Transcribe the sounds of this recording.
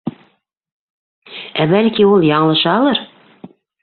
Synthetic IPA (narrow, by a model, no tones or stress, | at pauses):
æbælkiulˠjɑɴɤ̆lˠɤ̆ʃɑːlˠɤɾ